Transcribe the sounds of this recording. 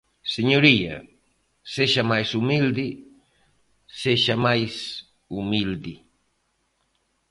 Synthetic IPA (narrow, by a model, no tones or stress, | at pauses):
seɲoɾija̰ | seʃamajsʊmild̪ɪ | seʃamajs | ʊmild̪ɪ